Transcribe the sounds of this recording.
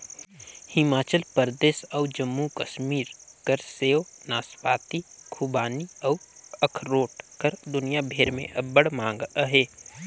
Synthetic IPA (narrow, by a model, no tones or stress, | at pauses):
hɪmaːt͡ʃəlpəɾd̪eːsəːd͡ʒəmːukəʃmiːɾkəɾseːonaːspaːt̪ikʰubaːniəʊəkʰɾoːʈkəɾd̪ʊnijabʱeːɾmḛ̃ʔəbəɽmãːŋɡəɦeː